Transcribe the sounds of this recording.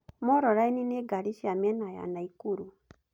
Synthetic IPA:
mɔɾɔɾainineɡaɾiʃiamɛnaja̰naikuɾu

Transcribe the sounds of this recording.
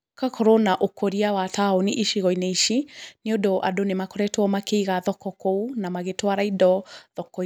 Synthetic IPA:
kakʰɔɾonaʔokoɾiawataoniʔiʃiɣɔinaiʃineɔdoʔa̰donemakoɾɛtwɔmakeiɣaðɔkɔkounamaɣetwaɾaidɔðɔkɔ

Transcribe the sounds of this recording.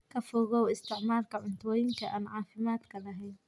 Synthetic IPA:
kʰɐfɔːɣɔwɪst̪ʰɪʕmaːrkʰɐʕʊnt̪ʰwɔjɪŋkʰɐʔaːnʕɑːfɪmaːd̪kʰɐlɐɦɛjn

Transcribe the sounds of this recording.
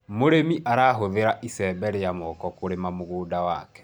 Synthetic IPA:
moɾemiʔaɾaːɦoðeɾaʔisɛbɛɾejamɔkɔkoɾemamoɣoːdawakɛ̥

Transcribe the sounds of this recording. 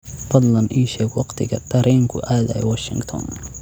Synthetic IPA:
fɐd̪lɐnʔiːʃɛːɡwɑqt̪ʰɪɣɐ̰d̪̥ɐɾʔɛːŋkʰʊʔaːðɐ̰ɛ̰wɔʃɪ̰ŋɡt̪ʰɔ̰n

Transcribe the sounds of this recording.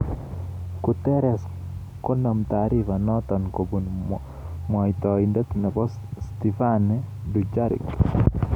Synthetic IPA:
kut̪ɛɾɛs | kɔnɔmt̪aɾifanɔt̪ɔnkobun | mait̪ɔindɔt̪inɛpɔs | st̪ifanɛdud͡ʒaɾḭk

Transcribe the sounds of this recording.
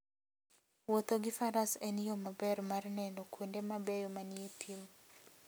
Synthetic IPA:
wot̪oɡɪfaɾasenijomabɛrmarnɛnɔkwondemabɛjɔmanietʰim

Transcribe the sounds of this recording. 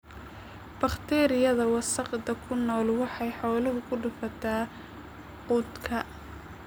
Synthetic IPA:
b̥ɑχt̪ʰɛːɾɪjɐðɐwɑsɑqd̪ɐkʰʊnːɔːlwɑħɑjħɔːlɐɦʊkʰʊɖʊfɐt̪ʰaː | quːd̪kʰɐ

